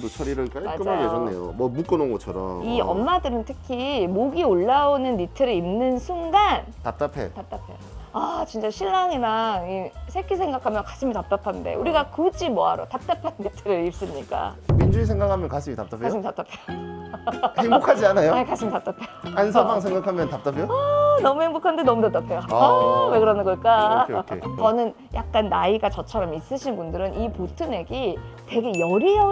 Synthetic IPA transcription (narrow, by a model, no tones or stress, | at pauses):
dot͡ɕʰʌɾiɾɯɭk͈aɭmak͈ɯmɯɭed͡ʑʌnːḛjo̰mʌmuk͈ɯnonɡʌt͡ɕʰʌɾʌ̰miʌ̰mmadɯɾɯntʰɯkʰimoɡioɭːaonɯnːitʰɯɾiimnɯnsʰuŋɡan | tap̚t͈apʰe̞̰tap̚t͈apʰe̞̰oat͡ɕint͡ɕ͈aɕʰiɭːaŋiɾaŋisʰekʰisʰeŋɡakʰamjʌnkaɕʰimitap̚t͈apʰande̞̰uɾiɡakɯd͡ʑimoɦa̰ɾo̰tap̚t͈apʰanːitʰɯɾɯip̚s͈ɯmɲik͈a̰mind͡ʑuis̬ʰeŋɡakʰamjʌnkaɕʰimitap̚t͈apʰaɕʰimitap̚t͈apʰejo | heŋbokʰad͡ʑianajokaɕʰimitap̚t͈apʰejoansʰʌbaŋs̬ʰeŋɡakʰamjʌntap̚t͈apʰejonʌmuheŋbokʰande̞nʌmutap̚t͈apʰejowe̞kɯɾʌnɯnɡʌɭk͈a | t͡ɕʌnɯn | jak̚k͈anːaiɡat͡ɕʌt͡ɕʰʌɾʌmis͈ɯɕʰinbundɯɾɯnipotʰɯne̞ɡite̞ɡe̞jʌɾiʌ